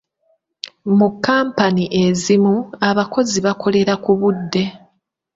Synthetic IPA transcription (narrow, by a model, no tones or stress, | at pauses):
mukːaːmpaniʔe̞zimuaβako̞ziβako̞le̞ɾakuβudːe̞